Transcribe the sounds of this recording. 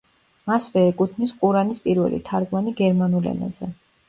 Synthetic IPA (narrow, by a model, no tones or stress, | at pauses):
masvɛːkʼut̪ʰmisqʼuɾanispʼiɾvɛ̰lḭt̪ʰaɾɡmaniɡɛɾmanulɛ̰na̰zɛ